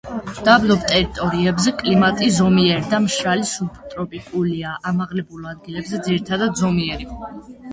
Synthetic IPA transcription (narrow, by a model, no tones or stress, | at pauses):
d̪̥ablɔbt̪ʼɛɾit̪ʼɔɾiɛbzɛkʼlimat̪ʼizɔmiɛɾd̪amʃɾalisupʰt̪ʼɾɔpʼikʼuliaʔamaʁlɛbulˠad̪̚ɡilɛbzɛd̪ziɾit̪ʰad̪ad̪zɔmiɛɾi